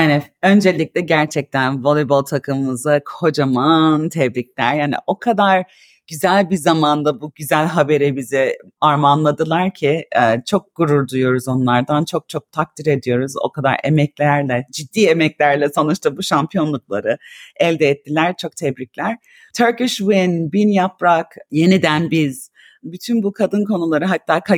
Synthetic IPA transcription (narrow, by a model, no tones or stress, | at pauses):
jaːnɛø̞nd͡ʒe̞lʲic̚lʲɛɟæɾt͡ʃʰɛc̚t̪ʰænvo̞lˠibolˠt̪ʰakʰɯmɯmɯzakʰo̞d͡ʒamant̪ʰɛbɾiclʲæɾjaːnḭʔo̞kʰad̪aɾ | ɟ̥yzælʲbizamand̪abuɟyzælʲɦabe̞ɾibizɪ | aɾmanlˠad̪ɯlˠaɾcʰiɛːt͡ʃʰo̞k̚ɡ̥uɾuɾd̪ujo̞ɾuzo̞nlˠaɾd̪ant͡ʃʰo̞k̚t͡ʃʰo̞k̚t̪ʰak̚t̪ʰiɾe̞d̪ijo̞ɾuzo̞̰kʰad̪a̰ɾḛmɛclʲæɾlʲɛd͡ʒid̪ːiːemɛclʲæɾlʲɛso̞nut͡ʃt̪ʰabuʃampʰijo̞nlˠuklˠa̰ɾɯɛlʲd̪ɛːt̪ʰːilʲæɾt͡ʃʰo̞k̚t̪ʰɛbɾiclʲæɾ̥ | t̪ʰøɾkɯʃwinbinjapɾakje̞nid̪ænbiz̥ | byt̪ʰynbukʰad̪ɯnko̞nulˠaɾɯɦat̪ːaːkʰa